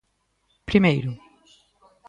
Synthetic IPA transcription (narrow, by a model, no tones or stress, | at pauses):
pɾimejɾʊ